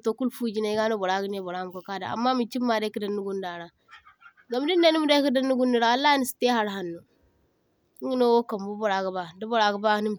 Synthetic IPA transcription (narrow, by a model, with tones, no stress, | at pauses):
to˨ku˦lfu˦d͡ʒi˦ne˦ɡa˦no˦bo˨ɾa˦ɡi˦n˦e˦˨bo˨ɾa˦m˨ko˨ka˦da̰˨a̰˨mːa˦mi˨t͡ʃi˦mːa˨de˦ki˦da˨nːu˦ɡu˦nda˨ɾa˨ | ɡa˨m˦di˦nde˦ni˦mu˦de˦ki˦də˦nːu˦ɡu˦nːi˨ɾa˨wa˨lːa˦ni˦si̥˨te˦ɦa˦ɾɦa˨nːu˨˦ | ŋɡi˦no˦wo˦ka˨mbu˦bo˨ɾa˨ɡə˨ba˨di˦bo˨ɾa˨ɡə˦ba˦ni˦m˨